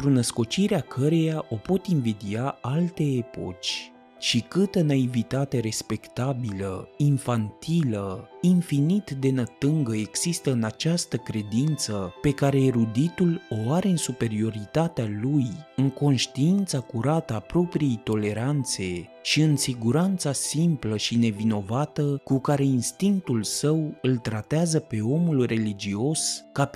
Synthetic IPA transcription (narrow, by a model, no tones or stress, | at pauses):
t̪ɾunəsko̞t͡ʃiɾeakʰəɾe̞jaʔo̞po̞t̪invid̪iaalt̪e̞ːpo̞̰t͡ʃʲ | ʃikɨt̪ənaivit̪at̪e̞ɾe̞spe̞kt̪abiləiɱfant̪ʰiləinfinit̪d̪e̞nət̪ɨŋɡəe̞ɡsist̪əɨnat͡ʃast̪əkɾe̞d̪int̪səpe̞kaɾe̞ːɾud̪it̪ulo̞aɾe̞ɨnsupe̞ɾio̞ɾit̪at̪ealujɨŋko̞nʃt̪iint̪sakuɾat̪əapɾo̞pɾije̞jt̪o̞le̞ɾant̪se̞ | ʃiɨnsiɡuɾant̪sasimpləʃine̞vino̞vat̪əkukaɾe̞inst̪iŋkt̪ulsəwɨlt̪ɾat̪eazəpe̞o̞mulre̞lid͡ʒio̞ska